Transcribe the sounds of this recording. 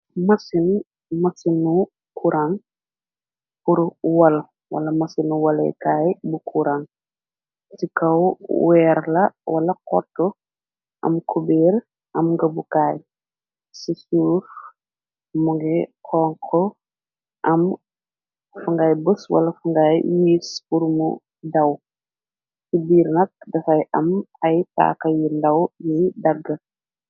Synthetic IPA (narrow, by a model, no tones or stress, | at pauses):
mɐsin | mɐsinu | kʰuɾaŋ | puɾwɐl | wɐ̰lɐmɐsinuwɐlɛ̰kaːjbukʰuɾaŋ | sikɐwwɛːɾlɐwɐlɐkɔ̰tɔ | ʔɐ̰mkʰubɛːɾ | ʔɐmɡɐbukaːj | sisuːf | muŋɡɛkʰɔːŋkʰɔ | ʔɐm | fuŋɡɐjbəswɐ̰lɐfuŋɡajːiːspuɾmṵ | dɐw | sibiːɾnɐk̚dɐfɐjʔɐmɐjta̰ːkɐjindɐwjɛjdɐɡːə